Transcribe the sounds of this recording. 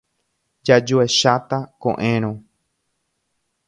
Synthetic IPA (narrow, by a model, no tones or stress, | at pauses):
d͡ʒad͡ʒoeʃat̪akõ̰ʔẽɾ̃õ